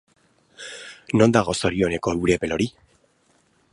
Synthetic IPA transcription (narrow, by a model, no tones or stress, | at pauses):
no̞nd̪aɣo̞so̞ɾio̞ne̞ko̞ewɾepe̞lo̞ɾi